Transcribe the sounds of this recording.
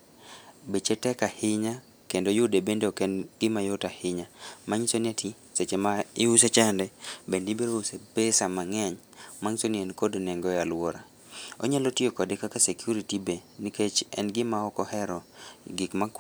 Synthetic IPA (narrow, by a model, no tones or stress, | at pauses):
bet͡ʃetɛkahɪɲa | kendojʊdebendeokɛnɡɪmajotahɪɲamaɲisonɪati | set͡ʃemaɪuset͡ʃandɛbendibeɾousepesamaŋɛɲ | maŋsoniɛnkodnɛŋɡɔjalwɔɾa | o̰ɲalotiokɔdekakasekjuɾitibe | niket͡ʃɛ̰nɡɪmaɔkɔhɛɾɔɡɪkma